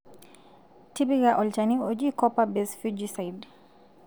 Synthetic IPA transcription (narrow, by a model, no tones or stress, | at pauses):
tibiɡaʔɔlt͡ʃaniɔd͡ʒikɔpabɛsfud͡ʒisajd